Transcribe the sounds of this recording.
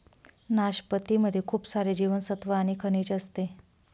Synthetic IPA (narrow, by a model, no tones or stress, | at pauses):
naɕpət̪iməd̪ʱːjekʰuːpsaɾed͡ʑiʋənsət̪ʋəaɽ̃ikʰənit͡ɕəst̪e